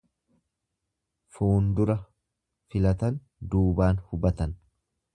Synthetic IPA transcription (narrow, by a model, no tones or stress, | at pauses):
fuːnd̪ʊɾɐ | fɪlɐt̪ɐn | d̪uːbaːnhʊbɐt̪ɐn